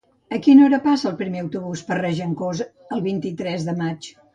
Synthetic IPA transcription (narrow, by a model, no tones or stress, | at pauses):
əkinoɾəpasəːlˠpɾimeəwt̪uβuspərɛʒəŋkoz | əlˠβint̪it̪ɾɛzðəmat͡ʃ